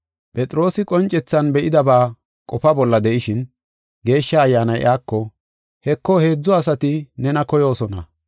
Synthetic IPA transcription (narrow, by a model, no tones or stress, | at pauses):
pʼɛt͡sʼɾo̞ːsɪkʼɔnt͡ʃʼɛt͡sːɐnbɛʔɪd̪ɐbaː | kʼɔfɐbɔlːɐd̪ɛʔɪʃɪn | ɡe̞ːʃːɐːjːaːnɐjʔaːkːɔ | hɛkːɔhe̞ːd͡zːɔɐsɐt̪ɪnɛnɐkɔjo̞ːsɔnɐ̰